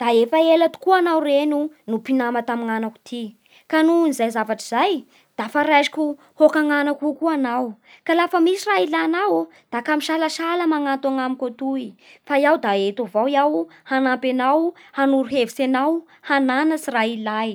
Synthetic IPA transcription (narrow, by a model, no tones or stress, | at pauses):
d̪̥aefaelat̪u̥kuanawrenu | nupinamat̪amiŋanaku̥t̪ʰi | kanunizajzavaʈ͡ʂizaj | d̪̥afaɾajʃi̥kʲu | hokaŋanakukuanaw | kalafəmisirailanaw | d̪̥akamiʃalaʃaləmaŋant̪uaŋamikot̪uifajawd̪aet̪ovawjawhanampenawhanuɾuɦevisenaw | hananəsirailaj